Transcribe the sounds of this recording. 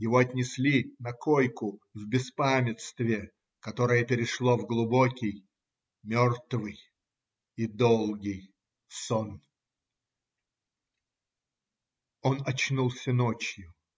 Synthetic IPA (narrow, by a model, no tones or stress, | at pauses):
jɪvoɐt̪ʲnʲɪsʲlʲinɐkojkʊvbʲɪspamʲɪt̪st̪vʲɪ | kɐt̪o̞ɾəjəpʲɪɾʲɪʂlˠo̞vɡlˠʊbokʲɪj | mʲort̪vɨj | id̪olˠɡʲɪj | son | onɐt͡ɕnulˠsʲənot͡ɕjʊ